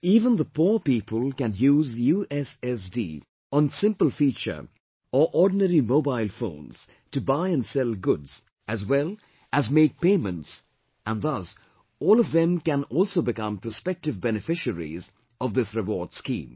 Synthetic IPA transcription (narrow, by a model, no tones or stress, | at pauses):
iːvə̃nðəpʰuɹpipʰəlˠkæ̃njuːzjuːʔɛsɛsdḭ | ə̃nsɪ̃mpəl̩ˠfiːt͡ʃə̰˞ | əʔɔɹdⁿn̩ɛɹimoʊbaɪlˠfõ̰ʊ̃nz̥ | tɨbaɪɨ̃nsɛlˠɡʊdz̥ | ɨzwɛlˠ | ʔæzmeɪk̚pẽɪmə̃nts | ʔə̃nðʌs | ɔːlˠʌvðɨ̃mkæ̃nɔlˠsoʊbɨkʌ̃mpʰəspɛk̚tɨvbɛnɨfɪʃəɹḭz | ʌvðɪsɹɨwɔɹd̥skḭ̃ːm